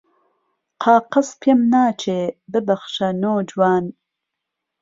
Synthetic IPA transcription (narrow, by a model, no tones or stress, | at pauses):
qʰɑːqɨspʰemnaːt͡ʃʰeːbɨbɐχʃɐnoːd͡ʒwaːn